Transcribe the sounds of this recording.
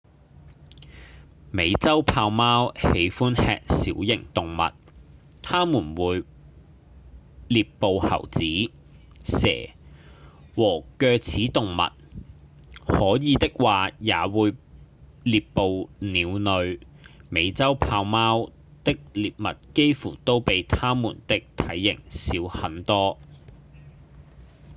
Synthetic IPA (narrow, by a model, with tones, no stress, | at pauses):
me˨˧jt͡sɐ˥wpʰaː˧wmaː˥whe˨˧˥jfuː˥nhɛ̰ː˧k̚siː˨˥wjɪ̰˨˩ŋt̪ʊ˨ŋmɐ̰˨t̚ | t̪ʰaː˥muː˨˩nwuː˨˧j | liː˨pːo˨whɐ̰˨˩wt͡siː˨˥ | sɛ̰ː˨˩ | wɔː˨˩kœː˧k̚t͡sʰiː˨˥t̪ʊ˨ŋmɐ̰˨t̚ | hɔː˨˥jiː˨˧t̪ɪ˥k̚waː˨jaː˨˧wuː˨˧j | liː˨ppːo˨˧wniː˨˧wnɵ˨˧ɥ | me˨˧jt͡sɐ˥wpʰaː˧wmaː˥w | t̪ɪ˥k̚liː˨p̚mɐ˨t̚ke˥jfṵː˨˩t̪o˥wpe˨˧jt̪ʰaː˥muː˨˩nt̪ɪ˥k̚t̪ʰɐ˨˥jːɪ˨˩ŋsiː˨˥whɐ˨˥nt̪ɔː˥